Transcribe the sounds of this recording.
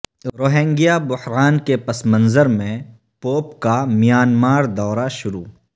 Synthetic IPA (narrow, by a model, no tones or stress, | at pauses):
ɾoːɦɛ̃ːŋɡijabʊhɾaːnkepɐsmə̃nzəɾmẽ | poːpkamijaːnmaːɾd̪ɔːɾaʃʊɾṵː